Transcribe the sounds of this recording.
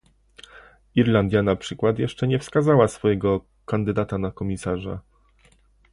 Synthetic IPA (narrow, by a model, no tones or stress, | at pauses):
iɾland̪ʲjanapʂɘkwat̪jɛʂt͡ʂɛɲɛfskazawasfɔjɛɡɔ | kand̪ɘd̪at̪anakɔmʲisaʐa̰